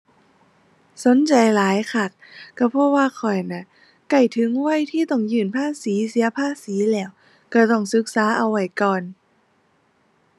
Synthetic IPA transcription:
so˨˦nt͡ɕa˧jlaː˨˦jkʰa˧˩k̚ːa˧˩pʰɔ˧˥waː˧kʰɔ˨˩jna˧˩ | ka˧˩jt̪ʰɯ˨˦ŋwa˧˥˨jt̪ʰiː˥˩t̪ɔ˧˩ŋjɯː˨˩npʰaː˥˨siː˨˩˦si˨˦ɐpʰaː˧˥˨siː˨˦lɛː˧˩w | ka˧˩t̪ɔ˥˩ŋsɯ˧˦˥k̚saː˨˦ʔa˧wːa˧˩jkɔː˨n

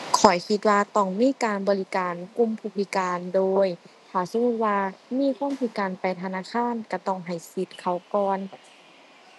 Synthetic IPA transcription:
kʰɔ˨˩jkʰi˧t̪̚waː˧t̪ɔ˧˩ŋmiː˧˥˨kaː˨nbɔː˨li˧kaː˨nku˧˨mpʰuː˧˩pʰi˧˩kaː˨ndoː˧jt̪ʰaː˧˩so˧˨mu˧˩t̪̚waː˧miː˧˥˨kʰuː˧˥˨mpʰiː˧˩kaː˨npa˨jt̪ʰa˧naː˧˥˨kʰaː˧˥˨nka˧˩t̪ɔ˧˩ŋɦa˨˩jsi˧˦t̪̚kʰa˧˩wkɔː˧n

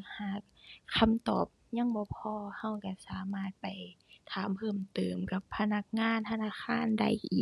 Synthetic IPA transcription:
haː˨˩k̚ʰː | a˧˩mt̪ɔː˨˩p̚ɲa˧˥˨ŋbɔː˧˦pʰɔː˧˨ha˧˩˨wka˧˩saː˨˦maː˧˩t̪̚pa˨˩jt̪ʰaː˨˦mpʰɤː˧˩˨mt̪ɤː˨˩mka˧˩pʰːa˧na˧˩k̚ŋaː˧˥˨nt̪ʰa˧naː˧˨xʰaː˧˥˨nda̰˧˩˨jʔiː˨˩

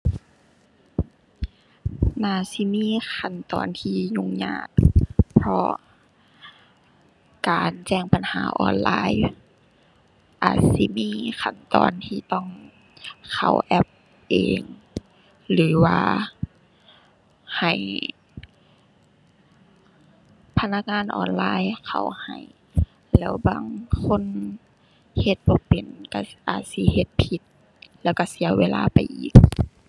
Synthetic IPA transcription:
naː˧˩si˧˦miː˧˥˨kʰa˧˩˨nt̪ɔː˨˦nt̪ʰiː˧˩ɲu˧ŋɲa̰ː˧˩k̚pʰɔ˧ | kaː˨nt͡ɕɛː˧˩ŋpa˨nhaː˨˦ʔɔ̰ː˧nlaː˧j | ʔaː˨˩t̪̚si˧˦miː˧˥˨kʰa˧˩nt̪ɔː˨˦nt̪ʰiː˧t̪ɔ˧˥˨ŋ | kʰa˧˩wʔɛ˧p̚ | ʔeː˨ŋ | lɯː˨˦waː˧ | ha˨˩j | pʰa˧na˧k̚ŋaː˧˥˨nʔɔ̰ː˧˩nlaː˧˥˨jkʰa˧˩wha̰˨˩j | lɛː˧˥wbaː˧˥˨ŋkʰo˧˥˨n | he˧t̪̚bɔː˧˦pe˨˩nka˧˩ʔa̰ː˨˩t̪̚si˧˦he˧˦t̪̚pʰi˧˦t̪̚ | lɛː˧˩wka˧˩si˧˦ɐweː˧la̰ː˧pa˨jʔiː˨˩k̚

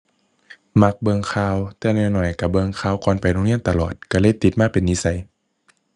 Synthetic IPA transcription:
ma˧k̚bɤː˧ŋkʰaː˧˨wt̪ɛː˧nɔ˧˩˨nɔ˨˩jka˧˩bɤː˧ŋkʰaː˧˨wkɔː˧˥˨npa˨˩jɾoɔ˧˨ŋli˧˥˨nt̪a˧˨lɔː˨˩t̪̚ka˧˩lɤː˧˥˨jt̪i˧t̪̚maː˧˥˨pe˨nːiː˧˥sa˧˦j

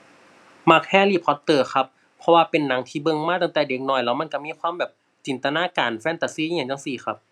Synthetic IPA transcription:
ma˧˩k̚hɛː˧˨liː˧˩p̚kʰɔ˧˥t̪ːɤː˧˩xʰa˧˥p̚ʰː | ɔ˧waː˧pe˨nːa˨˦ŋt̪ʰiː˧˩bɤ˧˨ŋmaː˧˥˨a˧˩ŋt̪ɛ˨˩de˧˦k̚nɔː˧˩jlɛː˧˩wma˧˥˨nka˧˩miː˧˥˨kʰwaː˧˥˨mbɛː˨˩p̚ | t͡ɕi˨nt̪a˧naː˧˥˨kaː˨˩nfɛː˧˥˨t̪a˨˧˩si˧˥˨ɲa˧˩ŋt͡ɕa˧˨siː˧˩xʰa˧˥p̚

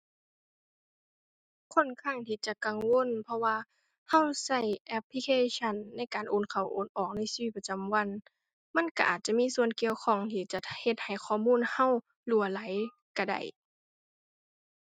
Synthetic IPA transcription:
kʰo˧˥˨nkʰa˧˩˨ŋt̪ʰiː˧˩t͡ɕa˨˩ka˨ŋwo˧˥˨npʰɔ˧waː˧ | ha˧˨wsa˧˩˨jʔɛ˧pʰːli˧kʰeː˧˥˨ɕʰa˧˥˨nːa˧˥˨jkaː˨nʔoː˧˥˨nkʰa˨˩wʔoː˨˦nʔɔː˨˩k̚na˧˥˨siː˧˨i˧˩t̪̚pa˧t͡ɕa˨mwa˧˥˨n | ma˧˥˨nka˧ʔaː˨˩t̪̚t͡ɕa˧˨miː˧˥˨su˧˩ənki˧˨əwkʰɔ˧˩ŋt̪ʰiː˧˩t͡ɕa˧˩he˧˩t̪̚ha˨˩jkʰɔː˧˩˨muː˧˥˨nha˧˥˨w | lu˧˩ɐla˨˦j | ka˧˩da̰˧˩j

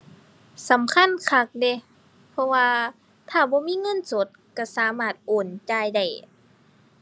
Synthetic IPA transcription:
sa˨˦mkʰa˧˥˨nkʰa˧˥k̚de˧˦ | pʰɔ˧waː˧ | t̪ʰaː˧˩bɔː˧˦miː˧˥˨ŋɤ˧˥˨nso˧˦t̪̚ka˧˩saː˨˦maː˧˩t̪̚ʔoː˨˩nt͡ɕaː˧jda˧˩j

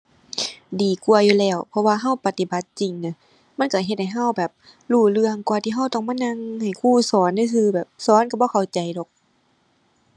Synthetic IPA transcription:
diː˨˩ku˧ɐjuː˧lɛː˧˩wpʰɔ˧waː˧ɦa˧˥˨wpa˧t̪i˧˩ba˨˦t̪̚t͡ɕi˨˩ŋna˧˦ | ma˧˥˨nka˧˩ɦe˧t̪̚ha˨˩jɦa˧˥˨wbɛː˨˩p̚ | luː˧˩lɯ˧əŋkwaː˧t̪ʰiː˧ɦa˧˥˨wt̪ɔː˧˩ŋmaː˧˥˨na˧ŋha˨˩jkʰuː˧˩sɔː˨˦nːa˧˩sʰɯː˧bɛː˨˩p̚sɔː˨˦nka˧˩bɔː˧˦kʰa˨˩wt͡ɕa˨jdɔ˨˦k̚

